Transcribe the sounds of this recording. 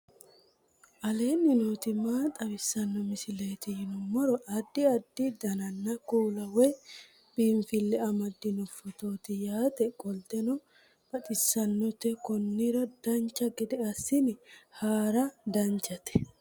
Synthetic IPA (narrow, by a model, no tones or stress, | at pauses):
ʔɐle̞ːnːɪnoːt̪ɪmaːt̪ʼɐbɪsːɐnːɔmɪsɪlejt̪ɪhɪnɔmɔɾɔʔɐd̪ːɪɐd̪ːɪd̪ɐnɐnːɐkuːlɐwɔj | b̥iːɱfɪlːɛɐmɐd̪ːɪnɔfɔt̪oːt̪ɪjaːt̪ɛkʼɔlt̪ɛnɔ | b̥ɐt̪ʼɪsːɐnːɔt̪ɛkɔnːɪɾɐd̪̥ɐnt͡ʃːɐɡɪd̪ɛɐsːɪnɪhaːɾɐd̪ɐnt͡ʃːɐt̪ɛ̥